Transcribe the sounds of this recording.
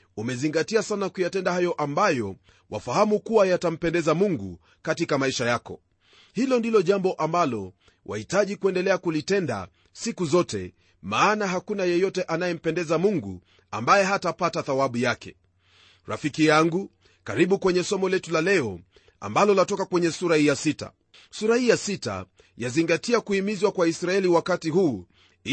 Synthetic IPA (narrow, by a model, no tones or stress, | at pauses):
umɛziŋɡatiasanakujatɛndahajɔʔambajɔ | wa̰fahamukuwajatam̩pɛndɛzamuŋɡu | katikamaiʃajakɔ̰ | hilɔndilɔʄambɔʔambalɔ | wʔa̰hitaʄikuɛndɛlɛakulitɛnda̰ | sikuzɔtɛ̰ | maːnaɦakunajɛjɔtɛʔanajɛm̩pɛndɛzamuŋɡu | ambajɛɦatapataθawaɓujakɛ̰ | ɾa̰fikijaŋɡu | kaɾiɓukwɛɲɛsɔmɔlɛtulalɛɔ | a̰mbalɔlatɔkakwɛɲɛsuɾahijasita̰ | suɾahijasita̰ | jaziŋɡatiakuhimizwakwaisɾaɛliwakatiɦuː | i